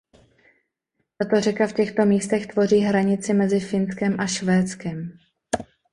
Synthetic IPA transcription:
t̪at̪o̞rɛkafcɛxt̪o̞miːst̪ɛxt̪vo̞riːɦɾaɲɪt͡sɪmɛzɪfɪnskɛmʔaʃvɛːt͡skɛm

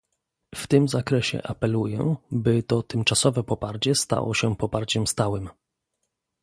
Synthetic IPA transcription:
ft̪ɘmzakɾɛɕɛ̰ʔapɛlujɛ̰bɘt̪ɔt̪ɘmt͡ʂasɔvɛpɔpaɾt͡ɕɛst̪a̰wɔ̰ɕɛpɔpaɾt͡ɕɛmst̪awɘm

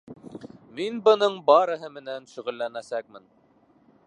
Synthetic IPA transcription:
minbɤ̆nɤɴbɑɾɤ̆ɦɤmɘ̆nænʃɵʁɘ̆lːænæsæk̚mɘn

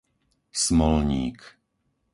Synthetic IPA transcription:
smɔlɲiːk

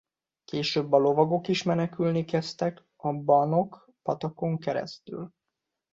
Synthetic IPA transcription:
keːʃøːbːɒlo̞vɒɡo̞kiʃmɛnɛkylnikɛst̪ɛk | ɒbɒno̞k | pɒt̪ɒko̞ŋkɛɾɛ̰st̪y̰l

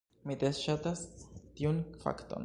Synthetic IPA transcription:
mid̪esʃatastiunfa̰kto̞̰n

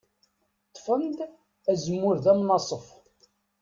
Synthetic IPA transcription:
t̪ˤːfənd̪ | æzəmːʊɾðæmnɑsˤəf

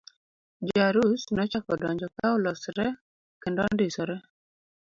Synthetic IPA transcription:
d͡ʒaɾusnɔt͡ʃakɔdɔɲd͡ʒɔkaʊlɔsɾɛ | kɪndɔndisɔɾɛ

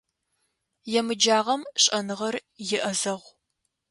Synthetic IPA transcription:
jɛmɨd͡ʒaːʁɐmɕʼɐnɨʁɐrjɪʔɐzɐʁʷ

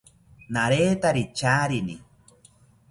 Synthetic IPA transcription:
naɾeːt̪aɾit͡ʃaːɾinḭ

